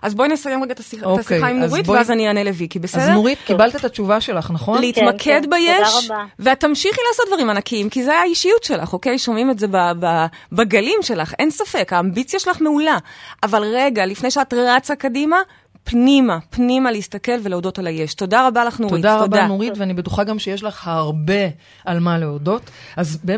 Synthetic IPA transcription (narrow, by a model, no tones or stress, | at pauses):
ʔazboinesajemʁeɡaet̪asiχoaskieχaimnuzʁitveazanianelevikibesedeuʁitkibalt̪aetat͡ʃuvaʃelaχnaχonleit̪makʰedbajeʃveat̪ːamʃiχilaːsot̚dvaʁimanakiimkizeajaajiʃijutʃe̞la̰χo̞ke̞jʃo̞mimetzebaba | baɡalimʃe̞laχʔe̞̰nsafekaːmbit͡sjaʃelaχme̞ulaːvalʁe̞ɡalifnejʃeatʁat͡sakadima | pnimapnimaleistake̞lveleodo̞talaje̞ʃto̞daʁabalaχnotʁoid̪aʁaobanoʁitveanibetuχaɡamʃejeʃlaχhaʁbe̞ | almaleodo̞tazbe